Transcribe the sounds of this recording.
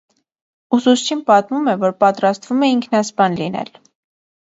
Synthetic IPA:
usust͡ʃʰinpɑt̪mumɛvɔɾpɑt̪ɾɑst̪vumɛiŋkʰnɑspɑnlinɛ̰l

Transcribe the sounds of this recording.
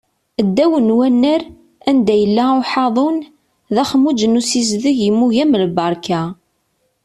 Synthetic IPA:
əd̪ːæwənwænːəɾ | ænd̪æjəlːæʊħɑðˤon | ðæχəmud͡ʒənusiz̬ðəʝimːuʝæmlbɑɾˤkæ

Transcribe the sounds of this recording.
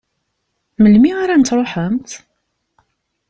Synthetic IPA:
məlmiaɾænt̪ːɾˤoħəmt̪

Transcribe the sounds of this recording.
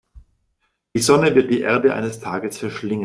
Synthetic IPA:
d̥iːzɔnəvɪɐt̚d̥iːʔeɐdəʔa̰ɪnəstʰaːɡəsfɛɐʃlɪŋə

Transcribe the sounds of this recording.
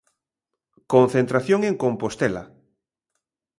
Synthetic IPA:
kõn̟θent̪ɾaθjoŋeŋkompost̪ela̰

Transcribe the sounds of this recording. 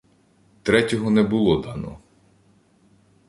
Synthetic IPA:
t̪ɾɛtʲɔɦɔnɛbʊlˠɔd̪ɑnɔ̰

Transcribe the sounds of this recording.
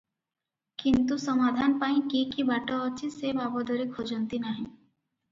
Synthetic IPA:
kint̪usɔmad̪ʱanpaĩkikibaʈoːt͡ʃʰisebabɔd̪ɔɾikʰod͡ʒont̪inaɦĩ

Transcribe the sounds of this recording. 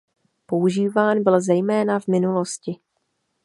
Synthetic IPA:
po̞uʒiːvaːnbɪlzɛjmɛːnavmɪnulo̞scɪ

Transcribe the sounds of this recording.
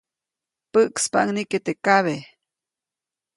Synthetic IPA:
pəʔkspa̰ʔŋniket̪ekaβe

